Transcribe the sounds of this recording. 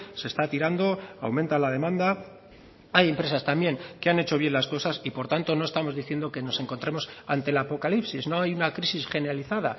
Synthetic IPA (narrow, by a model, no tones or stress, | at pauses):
se̞st̪at̪iɾand̪o̞a̰wmẽnt̪alaðe̞mãnd̪a | aje̞mpɾe̞sast̪ambje̞ŋkeane̞t͡ʃo̞βje̞nlasko̞sasipo̞ɾt̪ant̪o̞no̞est̪amo̞zðiθje̞nd̪o̞ke̞no̞se̞ŋkont̪ɾemo̞sant̪e̞lapo̞kalipsizno̞ajunakɾisisxe̞ne̞ɾaliθaða̰